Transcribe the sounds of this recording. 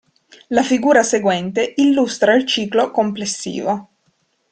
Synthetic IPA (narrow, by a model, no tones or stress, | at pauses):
lafiɡuːɾaseɡwɛnt̪eilːust̪ɾailt͡ʃiːklokomplesːḭːvo